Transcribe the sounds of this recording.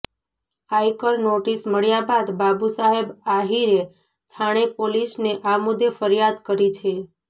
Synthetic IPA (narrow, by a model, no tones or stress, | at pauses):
ajkəlnoʈisməɭjabad̪babusaɦebaɦiɾe | t̪ʰaɽ̃epolisneʔamʊd̪ʱjefəɾjad̪kəɾit͡ʃʰe